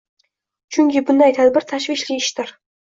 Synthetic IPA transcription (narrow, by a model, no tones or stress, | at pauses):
t͡ʃʰyŋʲkʲʰibʊnd̪ɑjt̪ʰæd̪bɪɾt̪ʰæʃviʃlʲiɪʃt̪ɪɾ